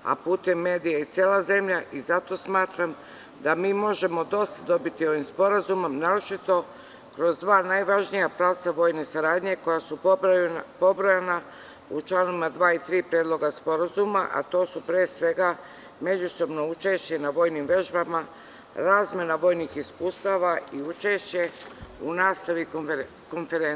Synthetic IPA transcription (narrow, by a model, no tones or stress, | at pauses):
a̰puːt̪e̞mːe̞ːd̪ijait̪sʲjeːlˠaze̞mʎaʔizat̪o̞smaːt̪ɾam | d̪amiːmo̞ʒe̞mo̞d̪o̞st̪ad̪o̞bit̪io̞ʋimspo̞ɾazumomnaːɾot͡ʃit̪o̞ | kɾo̞zd̪ʋaːnajʋaʒnijapɾaːʋt̪saʋo̞ːjnesaɾaːd̪ɲe̞ko̞jasu | po̞bɾojena | ut͡ʃlˠaːnoʋimad̪ʋaːit̪ɾiːpɾjeːd̪lo̞ɡaspo̞ɾazumaʔa̰t̪o̞ːsupɾeːesʋe̞ɡa | me̞d͡ʑuso̞bno̞ut͡ʃe̞ʃt͡ɕe̞naʋo̞ːjnimʋe̞ʒbama | ɾaːzmjenaʋo̞ːjnixiskuːst̪aʋaiut͡ʃeʃt͡ɕe̞unaːst̪aʋi | ko̞nfeɾen